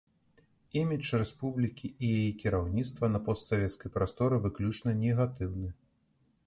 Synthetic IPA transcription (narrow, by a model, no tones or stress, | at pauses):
imʲit͡ʂrɛspublʲikʲiːjajikʲiɾawnʲit̪st̪vɐnɐpɔst̪savʲɛt̪skɐjpɾast̪ɔɾɨvɨklʲut͡ʂnɐnʲɛɣat̪ɨwnɨ